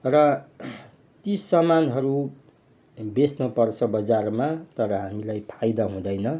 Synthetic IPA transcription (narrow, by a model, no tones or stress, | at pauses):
rʌ | t̪isʌmanɦʌɾu | besnʌpʌrt͡sʰʌbʌd͡zarmat̪ʌɾʌɦamilajpʰajd̪aɦũd̪ʌjnʌ